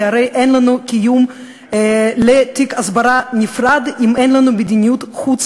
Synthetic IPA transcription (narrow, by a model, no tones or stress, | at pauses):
aɾejʔenlanukijum | let̪ikasbaɾanifɾad̪imenlanubed̪inijut̪χut͡s